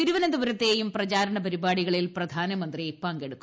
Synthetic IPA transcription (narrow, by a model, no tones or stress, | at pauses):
iɾuʋɐnɐd̪uʋɐɾɐt̪ːeːjumprɐt͡ɕaːɾɐɳɐpɐɾibaːɽiɣɐɭilprɐd̪ʱaːnɐmɐnd̪ripaːŋɡeɽukkːu